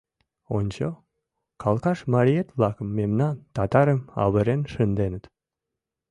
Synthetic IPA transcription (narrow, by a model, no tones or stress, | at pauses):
onʲt͡ɕo | kɑlkɑʃmɑɾʲiet̪βlɑkəmːemnɑnt̪ɑt̪ɑɾəmɑ̰βəɾenʃənd̪enət̪